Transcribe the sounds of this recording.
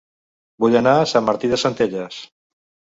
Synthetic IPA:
buʎanaːsamːaɾt̪iðəsənt̪eʎəs

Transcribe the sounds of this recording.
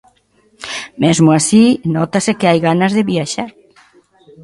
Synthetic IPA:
mɛzmoasinɔt̪asekeajɣanɐzðeβiaʃaɾ

